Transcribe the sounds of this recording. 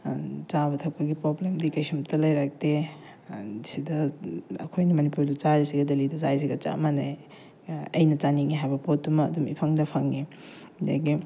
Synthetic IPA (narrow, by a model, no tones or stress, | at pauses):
zabɐtʰɐk̚pɐɡipɾoblemdikɐjsumtʰɐlɐjɾak̚te | dsidɐɐ̰kʰojnimɐnipuɾdɐt͡ʃaɾisiɡɐdɐlidɐzajs̬iɡɐt͡ʃa̰ɐ̰manaj | ɐ̰jnɐt͡ʃaniŋiɦajbɐpotːumɐ̰ːdumḭpʰɐŋdɐpʰɐŋːi | da̰ɡi